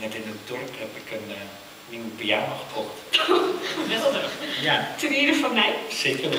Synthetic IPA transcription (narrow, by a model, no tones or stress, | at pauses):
nɛtɪnətdɔrphɛpɪkən | nipiaːnoχə̥pʰɔkt | əmɪlˠdəjatəʋɪːɾəfɔnmɛjseːkər